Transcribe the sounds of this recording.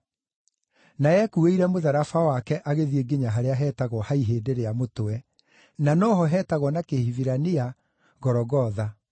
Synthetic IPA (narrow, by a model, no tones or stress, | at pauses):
naɛkueiɾɛmoðaɾafawakɛʔaɣeðieɡeɲaɦaɾeaɦɛːtaɣɔhaiɦeːdeɾeamotowɛ | nanɔɦɔɦɛːtaɣɔnakehiviɾania | ɣɔɾɔɣɔða